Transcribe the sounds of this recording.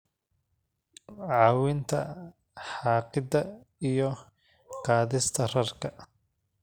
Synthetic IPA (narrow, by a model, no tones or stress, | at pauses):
ʕɑːwɪnt̪ʰɐ̰ | ħɑːqɪd̪ɐ | ijɔ | qɑːðɪst̪ʰɐrɐrkʰɐ